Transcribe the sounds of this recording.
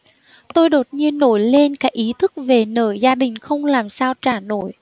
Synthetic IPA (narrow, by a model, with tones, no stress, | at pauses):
t̪o˧jɗo˨˩t̚ɲi˧ənːo˧˩jle˧nkaː˦˥k̚ʔi˨˦t̪ʰɨ˦˥k̚ve˨˩nəː˧˩jzaː˧ɗï˨˩ŋ̟xə˧wŋ͡mlaː˨˩msaː˧wt͡ɕaː˧˩no˧˩j